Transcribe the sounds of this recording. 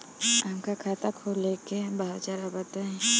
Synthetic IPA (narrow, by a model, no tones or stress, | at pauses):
ãŋkakʰat̪akʰolekebaɦat͡ʃaɾabat̪aɛ̃